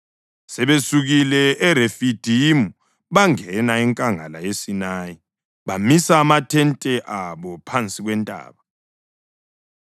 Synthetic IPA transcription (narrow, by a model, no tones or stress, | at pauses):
sɛβesuɣilɛːɾefid̥ʱimu | βaŋɛnaiŋkʼaŋa̰lajesinaːji | βamisaːmatʰɛntʼɛʔaβɔpʰant͡sʼiɣwɛntʼa̰ːβa